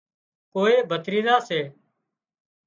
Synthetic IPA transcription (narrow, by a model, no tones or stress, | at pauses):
koːeːbʱət̪ɾiːd̪aːseː